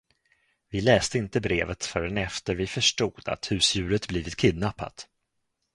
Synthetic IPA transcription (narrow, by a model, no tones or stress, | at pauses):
vɪlɛːst̪əɪnt̪əbɾeːvət̪fœɾənɛft̪əɾvɪfœʂʈuːd̪a̰t̪hʉ̟ːsjʉ̟ːɾət̪bliːvɪt̪kʰɪd̪napːa̰t̪